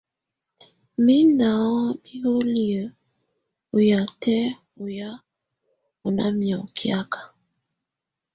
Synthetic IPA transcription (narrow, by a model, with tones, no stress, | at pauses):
mi˦na˨ɔ˦bi˦ho˦li˨ə˨ | u˨ja˨tɛ˦ | u˨ja˦ | u˨na̰˦mjɔ˨kʰja˦kḁ˨